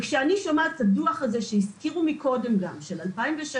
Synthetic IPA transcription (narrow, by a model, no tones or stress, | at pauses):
kʃeaniʃomataduaχhaze̞ʃehiskiʁumiko̞de̞mɡamʃelalpaimveʃa